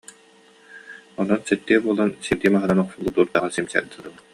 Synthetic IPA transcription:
ɔnɔsɛt̪ːiːɛbuɔlˠansiɾd̪iːmaɦɯnanɔqsulˠːut̪uːɾd̪aʁasimsɛ̰ɾd̪ɯlɯbɯ

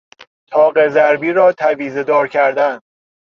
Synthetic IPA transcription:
t̪ʰɒːɢezæɾbiːɾɒːt̪ʰæviːze̞d̪ɒːɾkʰæɾd̪æn

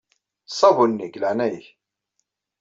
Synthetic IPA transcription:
sˤɑvunːiklaʕnæjç

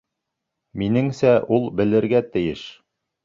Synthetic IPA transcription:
minɘŋsæʔulˠbɘ̆lɘ̆ɾɡæt̪ɘ̆jɘʃ

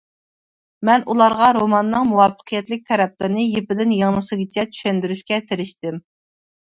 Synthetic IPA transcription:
mɛnulˠɑɾʁɑɾomɑnːɨŋmuwɑfːə̥qʰijɛt̪lɪk̚ʲt̪ʰɛɾɛp̚lɨɾɨnɨjepɪd̪ɪnjɑŋnɨsɨɡʲit͡ʃʰɛt͡ʃ̪ʰy̥ʃɛnd̪yɾyʃkʲɛt̪ʰɪɾɪʃt̪ɪm

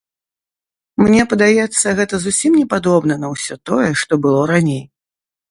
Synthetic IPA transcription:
mnʲɛpɐd̪ajɛt̪sːɐɣɛt̪ɐzusʲimnʲɛpad̪ɔbn̪ɐnɐwsʲɔt̪ɔjɛʂt̪ɔbɨlˠɔɾanʲej

